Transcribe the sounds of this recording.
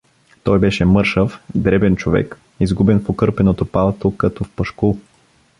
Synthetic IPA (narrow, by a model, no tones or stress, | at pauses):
t̪ɔjbɛʃɛmɤɾʃəfd̪ɾɛbɛnt͡ʃovɛ̰k | izɡubɛnfokɤɾpɛnot̪opalˠt̪okɐt̪ɔfpɐʃkulˠ